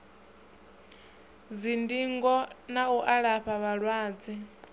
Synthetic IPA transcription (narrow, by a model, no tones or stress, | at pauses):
d͡zindiŋɡɔnauʔaɺaɸaβaɺwaːd͡zi